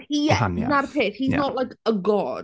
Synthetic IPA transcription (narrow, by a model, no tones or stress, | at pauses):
hiɛa̰nnarpʰeːθhiznɔʔlajkəɡɔd